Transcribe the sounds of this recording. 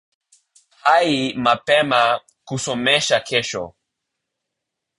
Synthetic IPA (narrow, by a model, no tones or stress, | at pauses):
hajimapema | kusomeʃakʰeʃo̰